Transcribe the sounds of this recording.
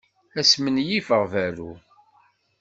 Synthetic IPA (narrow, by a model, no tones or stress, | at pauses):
æsmənjifəʁvæɾu